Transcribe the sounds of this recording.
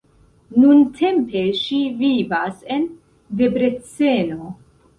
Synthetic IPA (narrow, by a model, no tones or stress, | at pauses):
nuntʰe̞mpe̞ʃivivase̞n | ve̞bɾe̞t͡se̞no̞